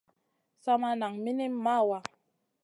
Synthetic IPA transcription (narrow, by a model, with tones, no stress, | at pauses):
sa˦ma˦na˨ŋmi˦ni˦m˦ma˦˨wa˦